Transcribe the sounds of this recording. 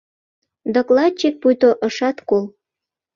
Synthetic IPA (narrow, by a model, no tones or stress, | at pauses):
d̪ŏklɑt̪̚t͡ɕek̚pujt̪oʔə̆ʃɑt̪kol